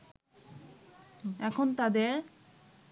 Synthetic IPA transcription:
ɛkʰont̪ad̪eɾ

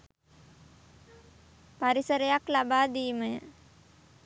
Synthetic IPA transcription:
paɾisəɾəjaklabaːd̪iːməjə

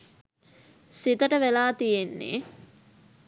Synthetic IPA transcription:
sit̪əʈəʋelaːt̪ijenːḛ

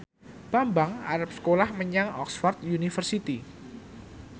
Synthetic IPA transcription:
b̥ambaŋa̰ɾap̚sə̥kolahməɲaŋɔ̰ksfɔrt̪̚junifərsit̪i

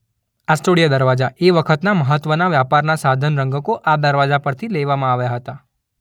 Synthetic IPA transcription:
asʈoɽijad̪əɾʋad͡ʒaʔeʋəkʰət̪naməɦət̪ʋənaʋjapaɾnasad̪ʱənɾəŋɡəkoʔad̪əɾʋad͡ʒapəɾt̪ʰileʋamãaʋjaɦət̪a

